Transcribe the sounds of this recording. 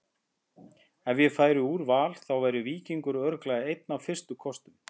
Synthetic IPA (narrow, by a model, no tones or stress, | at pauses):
ɛnvjɛfaːjɾʏuːɾvaːlθawvajɾʏviːciŋkʏɾœɾklaðɪejt̪̚nawfɪr̥st̪ʏkʰɔst̪ʏm